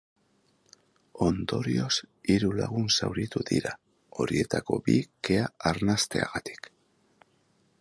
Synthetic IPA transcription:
o̞nd̪o̞ɾio̞siɾulaɣ̞unsawɾit̪uðḭɾa | o̞ɾie̞t̪ako̞bike̞aaɾnast̪e̞aɣat̪i̥k

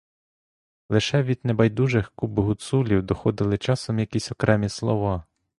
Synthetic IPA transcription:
lˠɪʃɛʋʲid̪̚nebɐjd̪uʒɪxkubɦʊt̪sulʲiwd̪ɔxɔd̪ɪlˠɪt͡ʃɑsɔmjɐkʲisʲɔkɾɛmʲislˠɔʋɑ

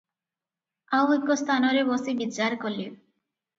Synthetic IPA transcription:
awekːost̪ʰanɔɾebɔsibid͡ʒaɾkolːi

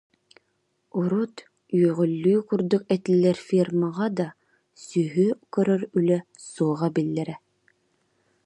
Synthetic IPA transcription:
uɾut̪ | yœʁɵlːyːkuɾd̪ukɛt̪ilːɛɾfirmaʁad̪a | syɦykœɾœɾylɛ | suɔʁɑbilːɛɾɛ

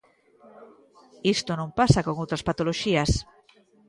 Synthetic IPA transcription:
ist̪onõmpasakoŋowt̪ɾaspat̪oloʃias

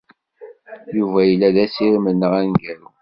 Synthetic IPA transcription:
juvæjəlːæðæsiɾmənːəʁænɡæɾu

